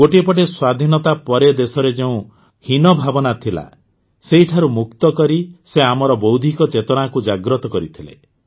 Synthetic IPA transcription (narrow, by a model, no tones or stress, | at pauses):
ɡoʈiepɔʈ̬eswad̪ʱinɔt̪apɔɾed̪esɔɾed͡ʒeũ | hinɔbʱabɔnat̪ʰila̰ | seɦiʈʰaɾumuk̚t̪ɔkɔɾiseamɔɾɔbɔwd̪ʱikɔt͡ʃet̪ɔɽ̃akud͡ʒaɡɾɔt̪ɔkɔɾit̪ʰilḛ